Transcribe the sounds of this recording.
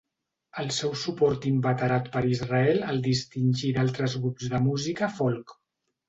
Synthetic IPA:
əlˠsɛwsupɔɾt̪imbət̪əɾat̪pəɾizrəɛləlˠd̪ist̪inʲʒid̪alˠt̪ɾəzɣɾubzðəmuzikəfolˠk

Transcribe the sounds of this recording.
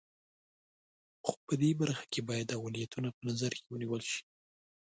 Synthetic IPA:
xo̥pəd̪ebaɾxḁkebɑjad̪awalijat̪unapənazaɾkewəniwəlʃi̥

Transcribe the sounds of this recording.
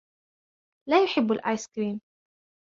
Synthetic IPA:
laːjʊħɪbːalʔaːjskɾiːn

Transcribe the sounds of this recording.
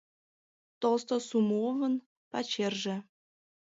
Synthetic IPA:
t̪olst̪osumovə̆n | pɑt͡ɕerʒĕ

